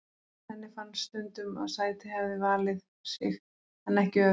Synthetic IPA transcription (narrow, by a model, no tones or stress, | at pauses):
ɛnːɪfanːst̪ʏnt̪ʏma̰ðsaːjt̪ɪhɛvɪvaːlɪð | sɪ̰x | hanːɛhcɪœ